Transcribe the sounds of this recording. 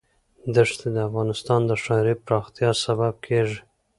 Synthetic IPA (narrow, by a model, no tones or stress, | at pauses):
d̪əʂt̪ed̪əafɣɑnɪst̪ɑnd̪əʂɑɾipɾɑxt̪ijɑsabab̚kʰeʐi